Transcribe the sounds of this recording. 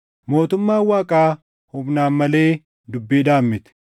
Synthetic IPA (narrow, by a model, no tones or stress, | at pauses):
mo̞ːt̪ʊmːaːwaːkʼaː | hʊbnaːnmɐle̞ː | d̪ʊbːiːd̪aːmːɪt̪ɪ̥